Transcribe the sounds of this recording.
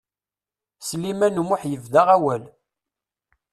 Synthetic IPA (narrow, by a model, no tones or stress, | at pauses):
slimænumʊħjəvðaʁæwæl